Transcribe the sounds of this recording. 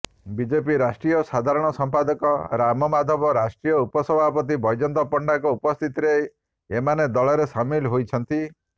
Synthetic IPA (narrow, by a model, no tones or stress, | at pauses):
bid͡ʒepiɾasʈɾijɔsad̪ʱaɾɔɽ̃ɔsɔmpad̪ɔkɔɾamɔmad̪ʱɔbɔɾasʈɾijɔupɔsɔbʱapɔt̪̬ibʱɔjd͡ʒɔnt̪ɔpɔɳɖakɔupɔst̪ʰit̪ɾej | emaned̪ɔɭɔɾesamilɦojt͡ʃʰɔnt̪i